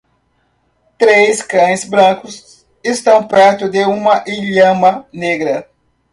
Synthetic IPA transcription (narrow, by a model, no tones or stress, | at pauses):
t̪ɾejskɐ̃j̃sbɾɐ̃kʊs | est̪ɐ̃w̃pɛɾt̪ʊd̪eũmɐʔiʎɐ̃mɐneɡɾɐ